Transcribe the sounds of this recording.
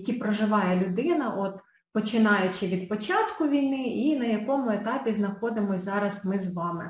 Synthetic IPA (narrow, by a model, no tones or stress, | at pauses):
kʲipɾɔʒɪʋɑjɛlʲʊd̪ɪnɐʔɔt̪ | pɔt͡ʃɪnɑjʊt͡ʃɪʋʲid̪̚pɔt͡ʃɑt̪kʊʋʲijnɪinɐjɐkɔmʊet̪ɑpʲizn̪ɐxɔd̪ɪmɔzɑɾɐsmɪzʋɑmɪ̰